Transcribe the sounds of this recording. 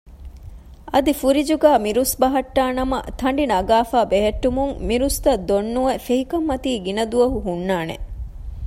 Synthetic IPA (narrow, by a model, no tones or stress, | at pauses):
ʔɐd̪ifuɾid͡ʒuɡæːmiɾusbɐɦɐʈːaːnɐmɐ̰t̪ʰɐɳ̆ɖinɐɡaːfaːbeɦeʈːumuŋmiɾust̪ɐd̪ːonːuʋɐfeɦikɐmːɐt̪iːɡinɐd̪uʋɐɦuɦunːaːnḛ